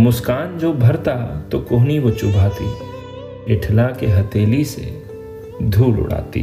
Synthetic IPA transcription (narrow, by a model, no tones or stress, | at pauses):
mʊskaːnd͡ʒoːbʱɐɾt̪at̪okoɦniʋot͡ʃʊbʱaːt̪ḭ | ɪʈʰlakeɦɐt̪eːlisḛ | d̪ʱuːlʊ̰ɽ̤a̰ːt̪ḭ